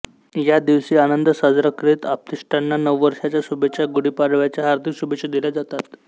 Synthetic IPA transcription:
jad̪iʋsiːanənd̪əsəd͡zɾəkɾit̪ap̚t̪isʈanːanəʋːəɾʂat͡ɕjasubʱet͡ɕjaɡuɽiːpaɽʋjat͡ɕjaɦaɾd̪ʱiksubʱet͡ɕed̪iljad͡zat̪at̪

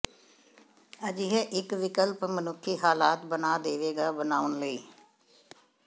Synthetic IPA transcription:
əd͡ʒɪɦɛːʔɪkʋɪkəlpmənʊkʰːiːɦaːlaːt̪bənaːd̪eːʋeːɡaːbənaːʊnləiː

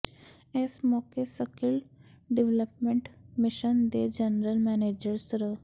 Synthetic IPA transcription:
ɛːsmɔkesəkil | ɖiʋləpmẽɳʈmiʃənd̪ed͡ʒənɾəlmɛned͡ʒəɾsɾə

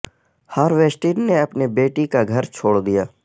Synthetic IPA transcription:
haːɾʋeːsʈiːɾneɐpnebeːʈikaɡʱɐɾt͡ʃʰoːɽd̪ijaː

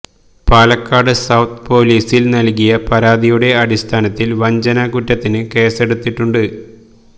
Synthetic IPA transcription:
paːlɐkːaːɽɨsɐwt̪ʰpo̞ːliːsilnɐlkijɐpɐɾaːd̪ijuɽe̞ɐɽist̪ʰaːnɐt̪ːilʋɐɲd͡ʑɐnakuʈːɐt̪ːinɨke̞ːse̞ɽut̪ːiʈːuɳɖɨ

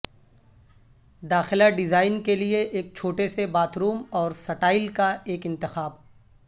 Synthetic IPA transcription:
d̪aːxɪlaɖɪzaːɪnkelieʔeːk̚t͡ʃʰoːʈesebaːt̪ɾuːmɔːɾsɐʈaːɪlkaeːkɪ̃nt̪ɪxaːb

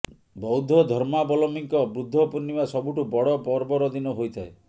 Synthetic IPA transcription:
bɔwd̪ʱɔd̪ʱɔɾmabɔlɔmiŋkɔbɾud̪ʱːɔpuɾnimasɔbuʈubɔɽɔpɔɾbɔɾɔd̪inɔɦojt̪ʰae

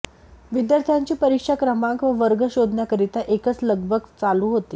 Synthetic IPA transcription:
ʋid̪jaɾt̪ʰjaɲt͡ɕiːpəɾikʂakɾəmãŋkʋəʋəɾɡəɕod̪ʱnakəɾit̪aʔekət͡sləɡ̚bʱəɡt͡saluːɦot̪e

